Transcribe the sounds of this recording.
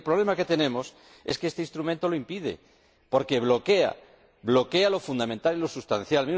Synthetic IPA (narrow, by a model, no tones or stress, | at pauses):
lpɾoβle̞make̞t̪e̞nẽ̞mo̞s | e̞skeest̪einst̪ɾumẽnt̪o̞loimpiðḛ | po̞ɾke̞βlo̞ke̞a̰ | βlo̞kealo̞fund̪amẽnt̪alilo̞sust̪an̟θjalmi